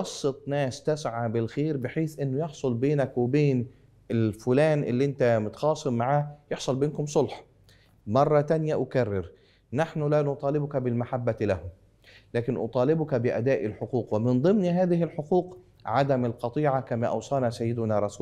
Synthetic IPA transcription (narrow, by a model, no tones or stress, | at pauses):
ɑsˤːɨt̪ˤnæːst̪æsʕabɪlxeːɾbɪħeːθʔɪnːʊjɪħsˤʊlbeːnækwɪbeːn | ɪlfʊlæːnʔɪ̰lːiʔɪnt̪æmʊt̪xɑːsˤɨmmːaʕaːjɪħsˤɑlbeːnkʊmsˤolħ | mɑrˤːɑt̪ænjaʔʊkarːɪɾ | naħnʊlanʊt̪ˤɑːlɪbʊkæbɪlmaħabːalæhʊm | læːkɪnʔʊ̰t̪ˤɑːlɪbʊkæbɪʔæ̰d̪aːʔɪlħoquːqwɪmɪnd̪ˤɨmniɦaːðɪɦɪlħoquːq | ʕad̪æmɪlqɑt̪ˤiːʕakamæːʔɑ̰wsˤɑːnɑsajːɪd̪ʊnaɾˤɑsuː